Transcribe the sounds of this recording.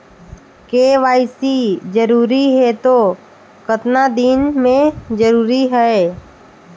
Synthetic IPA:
keːʋaːɪsid͡ʒəɾuːɾiɦɛt̪o | kət̪nad̪inmẽd͡ʒəɾuːɾiɦɛe

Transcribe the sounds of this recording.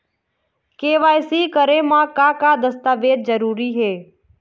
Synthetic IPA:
keːʋaːjsiːkəɾẽːmãːkaːkaːd̪əst̪aːʋeːd̪̚zəɾuːɾiːɦeː

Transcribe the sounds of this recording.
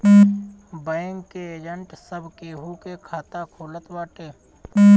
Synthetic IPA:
bəjəŋɡkeeːd͡ʒəɳʈsəbʱkeːɦukekʰaːt̪akʰoːlət̪waːʈeː

